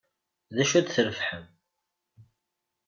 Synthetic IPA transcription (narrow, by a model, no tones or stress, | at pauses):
ðæʃæd̪θəɾfħəm